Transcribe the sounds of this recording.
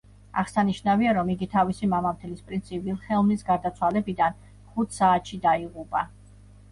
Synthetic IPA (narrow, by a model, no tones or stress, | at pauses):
a̰ʁsaniʃnaviaɾɔmiɡit̪ʰavisimamamt̪ʰɛlispʼɾint̪sʰivilˠχɛlˠmlisɡaɾd̪at̪sʰwalɛbid̪an | χut̪ʰsaːt̪ʃid̪aiʁupʼa